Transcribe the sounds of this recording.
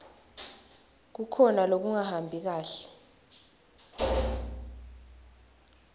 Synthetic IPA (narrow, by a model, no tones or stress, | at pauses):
k̬ukʰɔnalok̬uŋahambʱik̬aːɬɛ̥